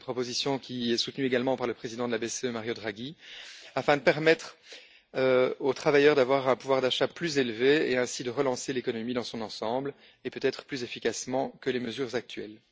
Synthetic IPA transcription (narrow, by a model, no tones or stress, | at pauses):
pχɔpozisjɔ̃kʲʰiɛsut̪nyeɡalmɑ̃paʁləpχezid̪ɑ̃d̪əlabeseømaʁjod̪ʁaɡʲiafɛ̃d̪əpɛʁmɛt̪χ | øot̪χavajœʁd̪avwaʁɛ̃puvwaʁd̪aʃaplyzelveeɛ̃sid̪əʁəlɑ̃selekɔnɔmid̪ɑ̃sɔ̃nɑ̃sɑ̃bl | epøt̪ɛt̪χə̥plyzefikasmɑ̃kəleməzyːʁzak̚t̪ɥɛl